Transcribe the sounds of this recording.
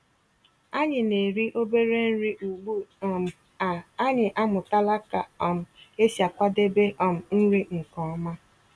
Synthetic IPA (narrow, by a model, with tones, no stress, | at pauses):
a˦ɲɪ˨ne˨ɾi˦ʔo˦be˦ɾe˦n̩˦ɾi˦ʔu˨ɡ͡bu˦˨m̩˨ | a˨a˦ɲɪ˨ʔa˦mʊ˨ta˦la˦ka˨ɔ˨m̩˨e˦sja˨kʷa˦de˦be˦ʔɔ˨m̩˨n̩˦ɾi˦ŋ̩˨kɔ˨ɔ˦ma˦